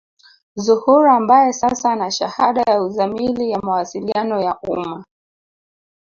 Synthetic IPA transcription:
zuhuɾaːmbajɛsasanaʃahaɗajauzamilijamawasilianɔjaʔṵma

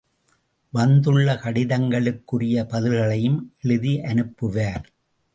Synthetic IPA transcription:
ʋɐnd̪ɯɭːɐkɐɽɪðɐŋɡɐɭɯkːɯrɪjɐpɐðɪlɣɐɭɐjɯmʔɛɭɯðiʔɐnɯpːɯʋaːɾ

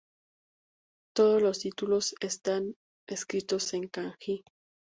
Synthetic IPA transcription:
t̪o̞ð̞ozlo̞st̪it̪ulo̞sest̪an | eskɾit̪o̞se̞ŋkaŋxi

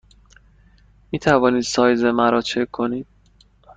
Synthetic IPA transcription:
miːt̪ʰævɒːniːd̪̥sɒːjzemæɾɒːt͡ʃʰeoniːd̪̥̚

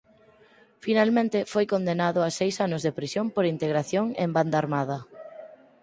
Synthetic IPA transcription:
finalmẽnt̪ɪfojkond̪enaðʊasejsanʊzðepɾisjompoɾint̪eɣɾaθjoŋḛmband̪aːɾmað̞ɐ

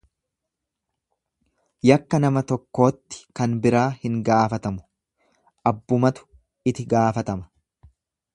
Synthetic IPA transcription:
jɐkːɐnɐmɐt̪ɔkːo̞ːt̪ːɪ̥kɐnbɪɾaːhɪŋɡaːfɐt̪ɐmʊ̥ | ʔɐbːʊmɐt̪ʊ̥ | ɪt̪ɪɡaːfɐt̪ɐmɐ̥

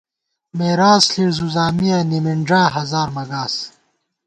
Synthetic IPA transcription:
meːɾaːsɬiɽzuzaːmijɐnimiɳɖaːɦɐzaːɾmɐɡaːs

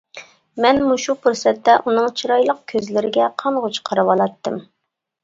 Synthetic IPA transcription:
mɛnmuʃupuɾsɛt̪ʰːɛʔunɨŋt͡ʃʰiɾɑjlˠəq̚kʲʰøzlɪɾɪɡʲɛqʰɑnʁot͡ʃʰqʰəɾɨwɑlˠɑt̪ʰːɨm

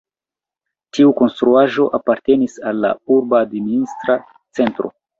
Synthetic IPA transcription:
tiuko̞nst̪ɾuaʒo̞ʔapaɾte̞nisalːa̰uɾbadministɾa | t͡se̞ntɾo̞̰

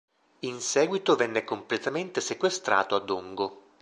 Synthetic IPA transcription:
insɛːɡwit̪ovɛnːekomplet̪ament̪esekwest̪ɾa̰ːt̪oad̪oŋɡo

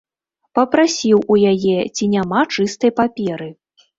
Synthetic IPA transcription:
pɐpɾasʲiwujajɛt͡sʲinʲamat͡ʂɨst̪ɐjpapʲɛɾɨ

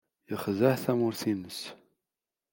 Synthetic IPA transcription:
jəχzæħθæmʊɾθinəs

